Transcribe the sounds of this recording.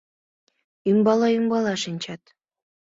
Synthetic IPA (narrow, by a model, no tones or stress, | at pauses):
ymbɑlˠɑyŋbɑlˠɑʃinʲt͡ɕɑt̪